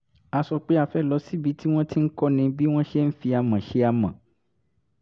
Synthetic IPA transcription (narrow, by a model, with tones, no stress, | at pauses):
a˧sɔ˧k͡pe˦a˧fɛ˦˨lɔ˧˦si˦bi˨˦ti˦w̃ɔ̃˦ti˦n̩˦kɔ˦nĩ˧bi˦w̃ɔ̃˦ʃe˦n̩˦fi˧a˧mã˨ʃe˧a˧mã̰˨